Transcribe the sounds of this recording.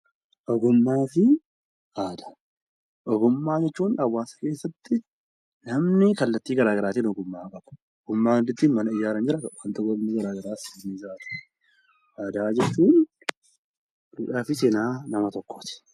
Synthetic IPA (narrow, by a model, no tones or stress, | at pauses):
ʔɔɡʊmːaːfɪ | ʔaːd̪ḁ | ʔɔɡʊmːaːd͡ʒɛt͡ʃːuːnɐwːaːsɐ̥ke̞ːsːɐt̪ːɪ | nɐmnɪkɐlːɐt̪ːiːɡɐɾaːɡɐɾaːt̪iːnɔɡʊmːaːkʼɐbʊ̥ | ɔɡʊmːaːd̪ɪt̪ːiːnmɐnɐɪjaːɾɐnd͡ʒɪɾɐwaːnt̪ʊɡɔmnɪɡɐɾaːɡɐɾaːsɪniːzaːt̪ɪ̥ | ʔaːd̪aːd͡ʒɛt͡ʃːuːn | duːᶑaːfɪsɪnaːnɐmɐt̪ɔkʰːot̪ɪ̥